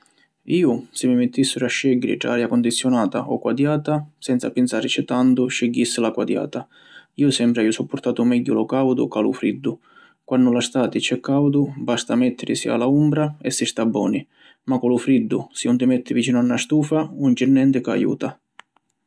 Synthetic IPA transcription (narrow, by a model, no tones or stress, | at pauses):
iːʊsɪmɪmɪt̪ːisːʊɾaʃːɛɟːɪɾɪ̰ʈ̪ɾa̰aːɾjakɔnd̪it̪sːjʊnaːt̪a̰ʔɔkːwad̪jaːt̪asɛnt̪sa̰pɪnt̪saːɾɪt͡ʃɪt̪ant̪ʊʃɪɟːisːɪlakwad̪ja̰ːt̪a | iːʊsɛmpɾɪajʊsupːʊɾt̪aːt̪ʊmɛɟːʊlɔkawd̪ʊ̰kalʊ̰fɾḭd̪ːʊ | kwanːʊlast̪aːt̪ɪt͡ʃɛkʰːawd̪ʊbast̪amɛt̪ːɪɾɪsḭa̰laumbɾaɛsːist̪abːɔ̰ːnɪ | makːɔlʊfɾid̪ːʊsɪnʊnt̪ɪmɛt̪ːɪvit͡ʃiːnʊanːast̪uːfaunt͡ʃɪrnːɛnt̪ɪka̰jṵːt̪a